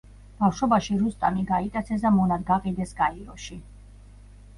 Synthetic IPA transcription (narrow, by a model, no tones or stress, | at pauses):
b̥afʃɔbaʃiɾust̪ʼaniɡait̪ʼat̪sʰɛs̬d̪amɔnad̪ɡaqʼid̪ɛsɡaiɾɔʃi